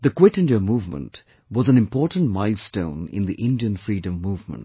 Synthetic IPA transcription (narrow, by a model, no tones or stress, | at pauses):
ðɨkwɪtɪ̃ndiəmuvmə̰̃nt | wʌzə̃nɨ̃mpʰɔːɹtn̩tmaɪlˠstõ̰ʊ̃nɪ̰̃nðiʔɪ̃ndiə̃nfɹiːdə̃mːuːvmə̰̃nt